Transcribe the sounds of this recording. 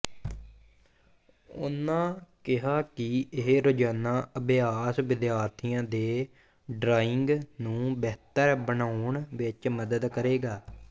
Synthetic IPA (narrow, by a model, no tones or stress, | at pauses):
ʊ̰nãːkɪɦaːkɪɪɦeɾʊd͡ʒaːnãːəbɪaːsʋɪd̪ɪjaːɾt̪ʰijãːd̪eː | ɖɾaːɪŋɡnũːbɛːt̪əɾbənaːɳʋɪt͡ʃməd̪əd̪kəɾeːɡaː